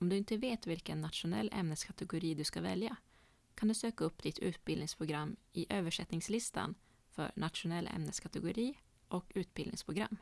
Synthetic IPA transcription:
ɔmd̪ɵɪnt̪əveːt̪vɪlkənːat̪ɧʊnɛ̰lːʔɛ̰mnəskʰat̪ɛɡʊɾiːd̪ɵskavɛlja | kʰand̪ɵsøːkaɵpːd̪ɪt̪ʰʉ̟ːt̪̚bɪlɪŋspʰɾʊɡɾamːɪʔøːvəʂɛt̪nɪŋslɪst̪ʰa̰n | fœ̰ɾɳʔat̪ɧʊnɛlːʔɛ̰mnəskʰat̪ɛɡʊɾiː | ʔɔkʉ̟ːt̪̚bɪld̪ɪ̰ŋspʰɾʊɡɾa̰mː

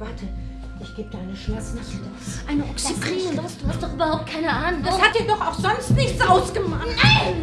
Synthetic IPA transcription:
v̥aɐtʰə | ʔɪçɡ̥eːbədaɪnəʃlat͡snat | ʔaɪnəʔɔksiɡiːnəhastd̥uːhastd̥ɔχʔyːbɐhaʊp̚t̚kʰaɪnəʔaːnʊŋd̥ashat̚d̥iːɐdɔχaʊxz̥ɔnstnɪçt͡sʔaʊsɡ̥əmaχaɪn

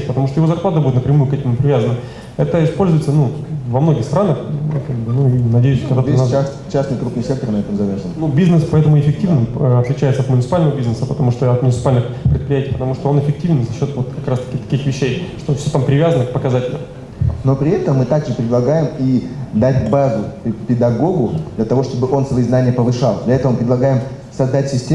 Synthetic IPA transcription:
pət̪ɐmuʂt̪ojɪvozɐrplˠat̪əbudʲɪt̪nəpɾʲɪmujʊkɛtʲɪmmʊpɾʲɪvʲazənːə | ɛt̪əɪspo̞lʲzʊjɪt̪sənuvɐmno̞ɡʲɪxst̪ɾanəxkaɡbɨnuinɐdʲejʉskɐɡd̪at̪nass | t͡ɕːasnɨjkɾupnɨjsʲek̚t̪ərnɐɛt̪əmzɐvʲerʐənnubʲiznɨspɐɛt̪əmʊɪfʲɪk̚tʲivnɨməɐt̪lʲɪt͡ɕæjɪt̪səɐt̪mʊnʲɪt̪sɨpalʲnəvəbʲiznɨsəpət̪ɐmuʂt̪oɐt̪mʊnʲɪt̪sɨ̥palʲnɨxpɾʲɪt̪̚pɾɪjætʲijpət̪ɐmuʂt̪oonɪfʲɪk̚tʲivʲnzɐɕːo̞t̪vot̪kɐkɾast̪ɐ̥kʲɪt̪ɐ̥kʲixvʲɪɕːejʂt̪ofsʲot̪ampɾʲɪvʲazənəkpəkɐzatʲɪlʲnə̰ | no̞pɾʲɪɛt̪əmːɨt̪aɡʐɨpɾʲɪd̪lˠɐɡajɪmid̪atʲbazʊpʲɪd̪ɐɡo̞ɡʊd̪lʲɐt̪ɐvo̞ʂt̪o̞bɨʔo̞nsvɐiznanʲɪjəpəvɨʂɑlˠd̪lʲɐɛt̪əvəpɾʲɪd̪lˠɐɡajɪm | sɐzd̪atʲsʲɪsʲtʲe

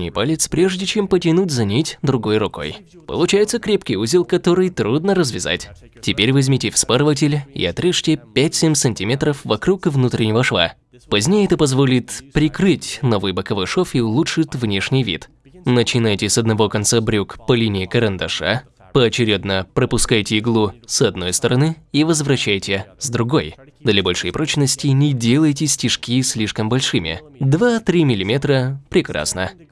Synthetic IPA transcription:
nʲɪ̰palʲɪt̪spɾʲeʐdʲɪt͡ɕempətʲɪnutʲzɐnʲitʲd̪ɾʊɡo̞jrʊko̞̰j | pə̰lˠʊt͡ɕæjɪt̪səkɾʲepkʲɪjuzʲɪlˠkɐt̪o̞ɾɨjt̪ɾud̪nəɾəzvʲɪza̰tʲ | tʲɪpʲeɾʲvɐzʲmʲitʲɪfspaɾəvət̬ʲɪlʲḭɐt̪ɾɨʂtʲɪpʲætʲsʲemʲsɨnʲtʲimʲet̪ɾəfvɐkɾukvnut̪ɾʲɪnʲɪvəʂva̰ | pɐzʲnʲejəɛt̪əpɐzvo̞lʲɪt̪pɾʲɪkɾɨtʲno̞vɨjbəkɐvojʂofiʊlˠuʂɨt̪vnʲe̞ʂnʲɪjvʲḭt̪ | nət͡ɕɪnajtʲɪsɐd̪nɐvo̞kɐnt̪sabɾʲukpɐlʲinʲɪːkəɾənd̪ɐʂa̰ | pəɐt͡ɕɪɾʲed̪nəpɾəpʊskajtʲɪːɡlˠusɐd̪no̞jst̪əɾɐnɨivəzvɾɐɕːæjtʲɪzd̪ɾʊɡo̞jd̪lʲɐbolʲʂɨjpɾot͡ɕnəsʲtʲɪnʲɪdʲelˠəjtʲɪsʲtʲɪʂkʲisʲlʲiʂkəmbɐlʲʂɨmʲɪ̰d̪vat̪ɾʲimʲɪlʲɪmʲet̪ɾəpɾʲɪkɾa̰snə

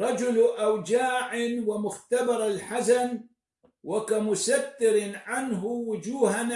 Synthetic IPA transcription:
ɾˤɑd͡ʒʊlʔawd͡ʒaːʕɪwɪmʊxt̪abɑɾˤalħasan | wakamʊsat̪ːɪɾʕanɦʊwʊd͡ʒuːhan

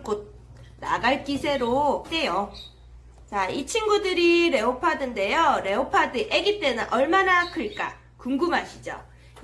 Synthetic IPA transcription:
kod̚ | na̰ɡaɭk͈isʰe̞ɾok͈e̞jo | t͡ɕait͡ɕʰinɡudɯɾiɾe̞opʰadɯnde̞joɾe̞opʰadɯʔe̞ɡit͈e̞nɯnʔʌɭmanakɯɭk͈a̰ | kuŋɡɯmɦaɕʰid͡ʑo̰

